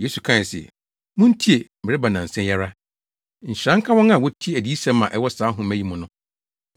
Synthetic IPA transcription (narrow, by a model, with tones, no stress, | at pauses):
je˦su˨kʰã˦˨sɪ̰˨ | mʊ̃˦n̩˦tʰi˦e˨mɪ˨ɾɪ˦ba˨nã˨n̩˨sɛ̃˦jɛ˦ɾa˦ | ɲ̩˨ɕɾã˦ŋ̩˦kʰã˦wɔ̃˦ŋã˨wɔ˦tʰi˦e˦˨æ˨di˨˦i˦sɛ̃˦mːã˨ʔɛ˦wɔ˦saː˨˦ɦʊ̃˦mæ̃˦ji˦mʊ̃˨nʊ̃˦